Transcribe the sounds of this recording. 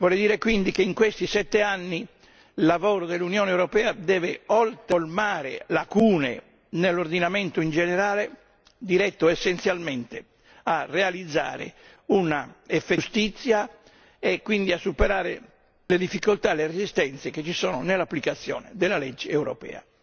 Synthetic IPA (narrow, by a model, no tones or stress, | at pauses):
vɔːled̪iːɾekwind̪ikeiŋkwest̪isɛt̪ːeanːi | lːavɔːɾod̪elːunjɔːneɛwɾɔpɛːad̪ɛːveɔlt̪olmaːɾḛlakuːnḛ | nelːoɾd̪inamɛnt̪oind͡ʒɛnɛɾaːle | d̪iɾɛt̪ːoɛsːent̪sjalmɛnt̪e | arːealid̪zːa̰ːɾḛ | unaɛfːest̪it̪sːja | ɛkːwind̪iasːupɛɾaːɾḛ | led̪ifːikolt̪alerezist̪ɛnt̪seket͡ʃːisɔːnonelapːlikat̪sːjɔ̰ːnḛd̪ɛlːalɛd͡ʒːeɛwɾɔ̰pɛ̰ːa̰